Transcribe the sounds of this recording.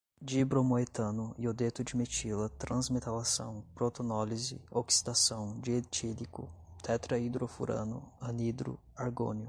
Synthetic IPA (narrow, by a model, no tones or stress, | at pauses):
d͡ʒibɾomoet̪ɐ̃nʊiod̪et̪ʊd͡ʒɪmet͡ʃilɐt̪ɾʔɐ̃zmet̪alasɐ̰̃w̃pɾot̪onɔlizɪ̰oksi̥d̪asɐ̃w̃d͡ʒiet͡ʃilikʊ̰t̪ʰɛt̪ɾɐid̪ɾofṵɾɐ̰̃nʊ̰ɐnid̪ɾʊ̰ | aɾɡo̰njʊ